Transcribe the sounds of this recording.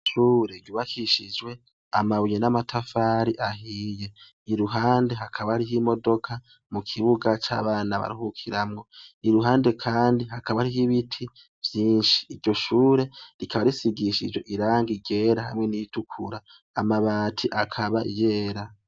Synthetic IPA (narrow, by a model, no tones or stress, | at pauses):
ʃuːɾe̞ɾjuːβakiʃid͡ʒwe̞ | a̰maβujenamatʰafaːɾiʔaɦiːje̞ | iɾuɦaːnde̞ɦakʰaβaɾiɦimo̞do̞kʰa | mukʰiβuɡat͡ʃa̰ːβaːnaβa̰ɾuhukʰiɾamŋo̞niɾuɦaːnde̞kʰaːndiɦakaβaɾihiβitʰi | v̥jiːnʃi̥ːɾɟo̞ʃuːɾe̞ɾikʰaβaɾisiɡiʃid͡ʒwe̞ʔiɾaːŋɡiɟe̞ːɾaha̰mŋe̞nitukʰuɾaː | maβaːtʰiʔakʰaβaʔḭje̞ːɾa